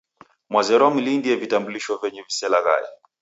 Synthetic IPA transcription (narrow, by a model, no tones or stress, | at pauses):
mwazɛɾɔamilindiɛvitambuliʃɔvɛɲɛvisɛlaɣa̰jɛ̰